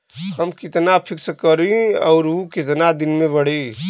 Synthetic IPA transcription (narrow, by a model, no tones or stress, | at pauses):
həmkit̪napʰiksəkəɾĩɔʊɾuked͡ʒənad̪inmeβəɽ̤i